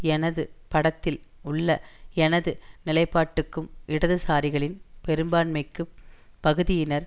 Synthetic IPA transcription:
ɛnɐðɯpɐɽɐt̪ːɪlʊɭːɐɛnɐðɯnɪlɐɪpːaːʈːɯkːɯmʔɪɽɐðɯsaːɾɪɣɐɭɪnpɛɾɯmbaːɳmɐɪkːɯpːɐɣɯðɪjɪnɐɾ

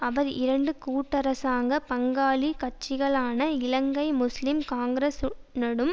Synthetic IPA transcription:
ɐʋɐɾɪ̰ɾɐɳɖɯkuːʈːɐɾɐsaːŋɡɐpɐŋɡaːlikɐʈ̚t͡ʃːɪɣɐɭaːnɐɪlɐŋɡɐɪmʊslɪmkaːŋɡɪɾɐsnɐɽɯm

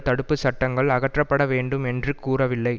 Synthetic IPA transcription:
t̪ɐɽɯpːɯsɐʈːɐŋɡɐɭɐɣɐʈrɐpːɐɽɐʋeːɳɖɯmɛndrɯkuːrɐʋɪlːɐɪ

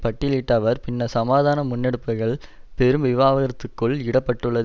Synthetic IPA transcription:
pɐʈːɪliːʈːɐʋɐɾpɪnːɐsɐmaːðaːnɐmʊnːɛɽɯpːɐɣɐɭpɛɾɯmʋɪʋaːʋɐɣɐɾɐt̪ːɯkːɯɭɪɽɐpːɐʈːɯɭːɐð

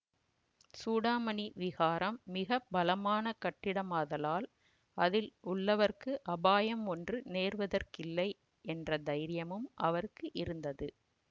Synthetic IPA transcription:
suːɽaːmɐɳiʋɪɣaːɾɐmːɪɣɐbɐlɐmaːnɐkɐʈːɪɽɐmaːðɐlaːl | ɐðɪlʊɭːɐʋɐrkɯʔɐbaːjɐmɔndrɯneːrʋɐðɐrkɪlːɐɪ | ɛndrɐd̪ɐɪɾɪjɐmɯmʔɐʋɐɾkːɯʔɪɾɯnd̪ɐðɯ

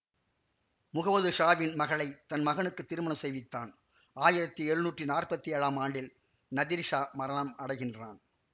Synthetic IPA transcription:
mʊɣɐʋɐðɯʂaːʋɪnmɐɣɐɭɐɪt̪ɐnmɐɣɐɳɯkːɯt̪ːɪɾɯmɐnɐmsɛjʋɪt̪ːa̰ːn | aːjɪɾɐt̪ːiɛɾɯnuːʈrinaːrpɐt̪ːiɛɻaːmaːɳɖɪl | nɐðiɾʂaːmɐɾɐnɐmɐɽɐɪɣɪndraːn

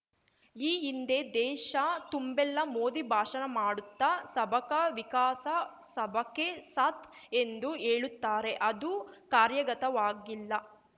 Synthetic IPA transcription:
iːɦind̪e̞d̪ɛːʃɐt̪umbɛlːɐmoːd̪ibʱaːʂɐnɐmaːɽut̪ːɐsɐbʱɐkɐʋikaːsɐ | sɐbʱɐkːesɐt̪ʰ | end̪ueːɭut̪ːaːɾe̞ʔɐd̪ukaːɾjɐɡɐt̪ɐʋaːɡilːɐ

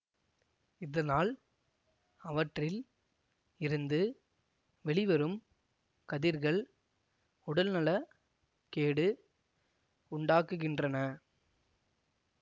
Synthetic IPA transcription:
ɪðɐnaːl | ɐʋɐʈrɪl | ɪɾɯnd̪ɯ | ʋɛɭɪʋɐɾɯm | kɐðɪɾɣɐɭ | ʊɽɐlnɐlɐ | keːɽɯ | ʊɳɖaːkːɯɣɪndrɐnɐ

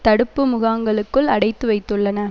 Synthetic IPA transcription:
t̪ɐɽɯpːɯmʊɣaːŋɡɐɭɯkːɯɭɐɽɐɪt̪ːɯʋɐɪt̪ːɯɭːɐnɐ

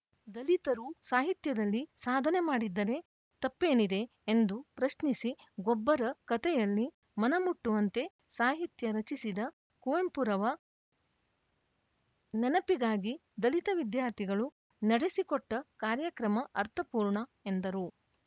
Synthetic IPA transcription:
d̪ɐlit̪ɐɾusaːɦit̪jɐd̪ɐlːisaːd̪ʱɐnemaːɽid̪ːɐɾe̞ | t̪ɐpːeːnid̪e̞ː | nd̪upɾɐʃnisiɡɔbːɐɾɐkɐt̪ɛjɐlːi | mɐnɐmuʈːuʋɐnt̪e̞ | saːɦit̪jɐɾɐt͡ʃisid̪ɐ | kuʋempuɾɐʋɐ | nɛnɐpiɡaːɡid̪ɐlit̪ɐʋid̪jaːɾt̪ʰiɡɐɭu | nɐɽesikɔʈːɐkaːɾjɐkɾɐmɐʔɐɾt̪ʰɐpuːɾɳɐe̞nd̪ɐɾu

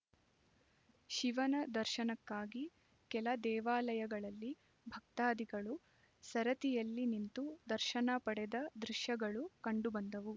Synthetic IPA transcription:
ʃiʋɐnɐd̪ɐɾʃɐnɐkːaːɡi | kɛlɐd̪ɛːʋaːlɐjɐɡɐɭɐlːi | bʱɐk̚t̪aːd̪iɡɐɭu | sɐɾɐt̪ijɐlːinint̪ud̪ɐɾʃɐnɐpɐɽɛd̪ɐd̪ɾuʃjɐɡɐɭukɐɳɖubɐnd̪ɐʋu

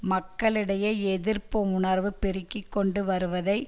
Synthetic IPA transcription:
mɐkːɐɭɪɽɐjɐɛðɪɾpoːmʊɳɐɾʋɯpɪɾɪkːɪkːɔɳɖɯʋɐɾɯʋɐðɐɪ

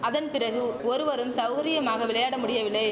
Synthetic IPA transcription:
ɐðɐnpɪɾɐɣɯɔɾɯʋɐɾɯmsɐʊɣɐɾɪjɐmaːɣɐʋɪɭɐjaːɽɐmʊɽɪjɐʋɪlːɐɪ

